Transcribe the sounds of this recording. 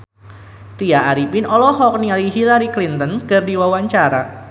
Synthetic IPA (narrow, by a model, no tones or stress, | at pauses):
riaːɾipinɔlɔɦɔk̚niaɾiɦilaɾiklint̪ənkɨrdiwawaɲt͡ʃaɾa